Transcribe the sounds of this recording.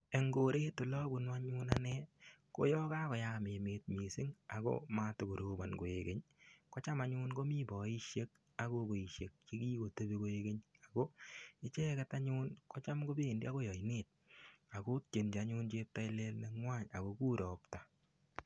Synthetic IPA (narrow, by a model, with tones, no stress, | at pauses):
e˨ŋɡo˨ɾe˦tʊ˨lɔ˦bu˨nwa˦ɲʊ˦na˦nɛ˦ | ko̰˦jɔ˦ka˦kɔ˨ja˦me˨meːt̚mi˨sɪ˦ŋa˨ɡɔ̰˦ma˦to˨ɡo˨ɾo˦ba˨nɡo˨eɡe˦ɲkɔ˦t͡ʃa˦ma˨ɲu˦nɡo˦mi˦bɔ˨i˦ʃje˦k̚ | a˨˦ɡo˦ko˨i˨ʃe˨k̚t͡ʃe˦kiː˦ɡo˨te˦be˦ko˦eɡe˦ɲa˨ɡo˦ɪ˦t͡ʃɛ˦kɛ˦ta˦ɲuː˦nkɔ˦t͡ʃa˦mkɡo˦beː˦˨ndi˦a˦ko˦jɔ˨ineː˦˨t̚a˨ko˦t̚t͡ʃe˨nd͡ʒa˨˦ɲu˦nt͡ʃeː˦p̚ta˦ɪ˦le˦lne˦ŋwa˦ɲa̰˨ko˦kuː˦ɾɔ˨pta˨